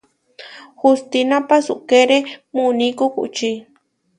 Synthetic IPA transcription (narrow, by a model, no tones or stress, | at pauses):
xust̪inãpasuʔkeɾemunĩkukṵʔt͡ʃi